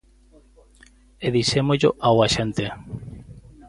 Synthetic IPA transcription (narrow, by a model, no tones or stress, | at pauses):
eðiʃemoʎoʔawaʃent̪e